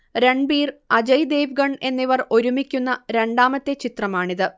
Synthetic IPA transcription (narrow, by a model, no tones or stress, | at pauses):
ɾe̞ɳɖbiːrɐd͡ʑɐjd̪e̞ːʋɡɐɳe̞nːiʋɐro̞ɾumikʲːunːɐɾe̞ɳɖaːmɐt̪ːe̞t͡ɕit̪rɐmaːɳiðɨ